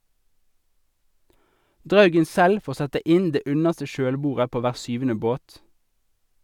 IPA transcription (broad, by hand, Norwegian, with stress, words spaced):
ˈdʁɑʉɡən ˈsɛl ˈfoːʁ ˈsɛtə ˈɪn ˈdeː ˈʉnəʁstə ˈʃøːlˌbuːʁə ˈpoː ˈʋæːʁ ˈsʏʋn̩ə ˈboːt